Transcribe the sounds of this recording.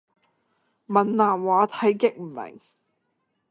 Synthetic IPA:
mɐ˨˩nlaː˨˩nwaː˨˥t̪ʰɐ˨˥jkɪ˥k̚m̩˨˩mɪ̰˨˩ŋ

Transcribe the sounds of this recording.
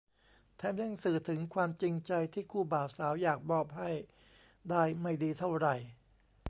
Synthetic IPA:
t̪ʰɛː˧˥mni˧˥˩ŋsɯː˨˩t̪ʰɯ˩˦ŋkʰwaː˧mt͡ɕi˧ŋt͡ɕa˧jt̪ʰiː˥˩kʰuː˥˩baː˨˩w̚saː˩˦wjaː˨˩k̚bɔː˧˥˩p̚ha˥˩j | daː˥˩jma˥˩jdiː˧t̪ʰa˥˩wɾa˨˩j

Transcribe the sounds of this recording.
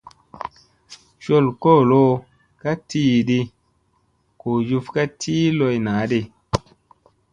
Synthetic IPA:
ʃo˦˨lko˦˨lo˦ | ka˦ti˦˨ɗi˧ | ko˨ju˧fka˦tʰiː˦lo˧jna˨˦ɗi˧

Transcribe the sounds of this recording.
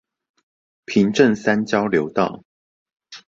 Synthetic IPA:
pʰi˨˦ŋʈ͡ʂə˥˨nsa˦nt͡ɕjɑ˥˦ʊljo˨˦ʊt̪ɑ˥˨ʊ

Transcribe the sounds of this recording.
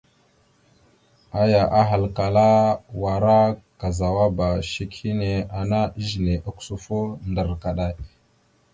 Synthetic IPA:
a˦ja˨ʔa˦ɦa˨lka˨la˦wa˨ɾa˦ka˨za˨wa˦ba˨ʃi˦khi˦ne˨a˨na˦ʒi˨ne˨ʔa˦ksu˦fo˦ndə˨ɾka˨ɗa˦˨j

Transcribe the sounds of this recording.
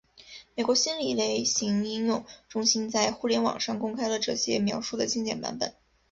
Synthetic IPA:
me˨˩ɪkwɔ˧˥ɕi˥nli˨˩le˧˥ɪɕi˧˥ŋi˥ŋjʊ˥˩ŋʈ͡ʂʊ˥ŋɕi˥nt͡sa˥˧ɪxu˥˩ljɛ˧˥nwɑ̰˨˩ŋʂɑ˥˩ŋkʊ˥ŋkʰa˥ɪlə˨ʈ͡ʂɤ˥˧ɕjɛ˥mjɑ˧˥ʊʂu˥˩d̪ə˩t͡ɕi˥˧ŋt͡ɕjɛ˥˩npa̰˧˥npə̰˨˩˦n

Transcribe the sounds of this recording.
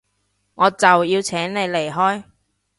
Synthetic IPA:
ŋɔː˨˧t͡sɐ˨wjiː˧wt͡sʰɛː˨˥ŋne˨˧jle˨˩jɦɔː˥j

